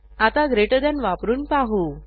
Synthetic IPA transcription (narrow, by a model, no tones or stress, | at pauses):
at̪aɡɾeʈəd̪janʋapɾuːnpaɦu